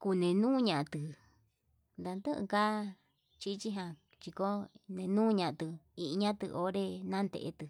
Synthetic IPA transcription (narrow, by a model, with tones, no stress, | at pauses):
ku˧nẽ˨nũː˦ɲã˧ʔt̪ɨ˨ | nd̪a˧nd̪ɨ˦ʔɨ̰̃˧ka˦ | t͡ʃi˦˧t͡ʃi˦ɦã˧ | t͡ʃi˧ko˦nẽ˧nũː˦ɲã˧ʔt̪ɨ˧i˧ʔɲã˦t̪ɨ̰˧ʔo˦ɾe˦nã˦nd̪ḛ˧ʔt̪ɨ˧